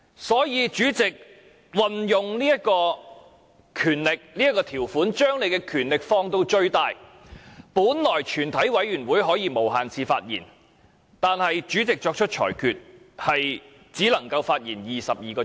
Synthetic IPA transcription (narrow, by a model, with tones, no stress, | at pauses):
sɔː˨˥jiː˨˧t͡ʃyː˨˥t͡sɪ˨k̚ | wɐ˨njʊ˨ŋliː˥jɐ˥t̚kɔː˧ | kʰyː˨˩nlɪ˨k̚liː˥ɐ˥t̚kːɔː˧t̪ʰiː˨˩wfuː˨˥nt͡ʃœː˥ŋle˨˧jkɛː˧kʰyː˨˩nlɪ˨k̚fɔː˧ŋt̪o˧wt͡ʃɵ˧ɥt̪aː˧j | puː˨˥nlɔː˨˩jt͡ʃʰyː˨˩nt̪ʰɐ˨˥jwɐ˨˥jɥyː˨˩nwuː˨˥jɦɔː˨˥jiː˧mo˨˩wɦaː˨nt͡sʰiː˧faː˧t̚jḭː˨˩n | t̪aː˨nhɐ˨jt͡ʃyː˨˥t͡sɪ˨k̚t͡ʃɔː˧k̚t͡ʃʰɵ˥t̚t͡ʃʰɔ̰ː˨˩jkʰyː˨t̚ | hɐ˨j | t͡siː˨˥lɐ˨˩ŋkɐ˧wfaː˧t̚jiː˨˩njiː˨sɐ˨p̚jiː˨kɔː˧